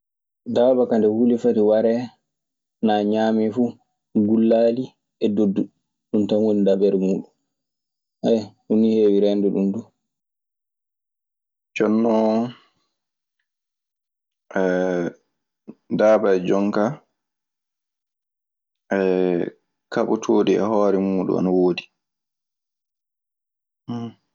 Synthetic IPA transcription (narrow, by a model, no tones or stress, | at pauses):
daːbakandɛhulifatiwaɾɛ | naɲaːmifu | ɡulːaːli | ɛdodːu | ɗuntanwonidabɛɾmuːɗun | ʔajhuniheːwiɾɛnduɗumdu | t͡ʃɔnːɔ | ʔɛ | daːbaɛd͡ʒɔŋka | ʔɛ | kaɓɔtʰoːdiɛ̰hɔːɾɛmuːɗṵa̰nawoːdi